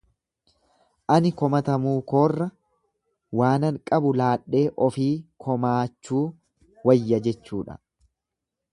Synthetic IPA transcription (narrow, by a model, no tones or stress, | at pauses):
ʔɐnɪkɔmɐt̪ɐmuːko̞ːrːɐ | waːnɐŋkʼɐbʊlaːɗːe̞ːʔɔfiːkʰɔmaːt͡ʃːuː | wɐjːɐd͡ʒɛt͡ʃːuːᶑɐ̰